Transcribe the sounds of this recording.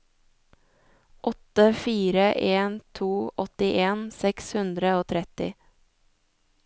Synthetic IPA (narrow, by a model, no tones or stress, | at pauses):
ʔɔt̪əfiːɾəʔeːnt̪ʰuːʔɔt̪ɪʔeːnsɛkshʉnd̪ɾəoːt̪ʰɾɛt̪ɪ̰